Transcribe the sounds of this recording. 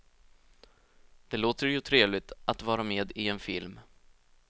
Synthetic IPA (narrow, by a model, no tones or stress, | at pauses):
d̪̥ɛloːt̪əɾjɵt̪ʰɾeːvlɪt̪at̪vɑːɾameːd̪ɪɛnfɪlm